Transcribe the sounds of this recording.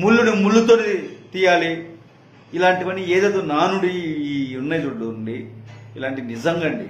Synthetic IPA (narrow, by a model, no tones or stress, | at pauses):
mulːuɽimulːut̪oːnit̪iːjaːliː | laːɳʈiʋɐnieːd̪ɐːd̪oːnaːnuɽiiːunːɐjd͡ʒuɖluɳɖiːlaːɳʈinizɐŋɡɐɳɖḭ